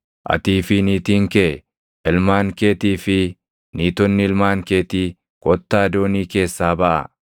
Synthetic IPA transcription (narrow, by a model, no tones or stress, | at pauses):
ʔɐ̰t̪iːfɪniːt̪iːŋkɛ | ɪlmaːŋkeːt̪iːfɪ | niːt̪ɔnːɪɪlmaːŋke̞ːt̪iː | kʼɔt̪ːaːd̪oːniːke̞ːsːaːbɐʔɐ̰